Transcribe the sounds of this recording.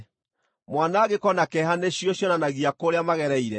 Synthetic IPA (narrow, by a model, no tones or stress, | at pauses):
mwanaːɣekɔnakɛɦaneɕiɔɕjɔnanaɣiakoɾeamaɣɛɾɛiɾɛ